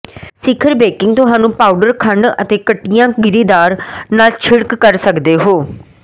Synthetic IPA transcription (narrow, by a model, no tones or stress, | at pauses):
sɪkʰəɾbɛːkɪŋɡ̚t̪ʊɦaːnũːpaːuɖəɾkʰəɳɖə̰t̪eːkəʈːɪjãːɡɪɾiːd̪aːɾnaːlt͡ʃʰɪɽkːəɾsəkd̪eːɦoː